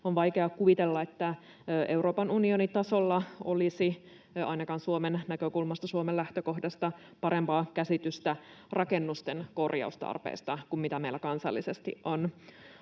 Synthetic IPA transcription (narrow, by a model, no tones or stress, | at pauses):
onʋɑjkeɑkuʋit̪elːɑet̪ːæ | ʔe̞wɾo̞ːpɑnunionit̪ɑso̞lːɑolisi | ɑ̰jnɑkɑnsuomennækøkulmɑst̪ɑsuomelæht̪øko̞hdɑst̪ɑ | pɑɾe̞mpɑːkæsit̪yst̪æ | rʔɑke̞nːust̪enko̞rjɑ̰ust̪ɑ̰rpḛːst̪ɑkummit̪æmeilːækɑnsɑ̰lːisest̪ḭʔʔon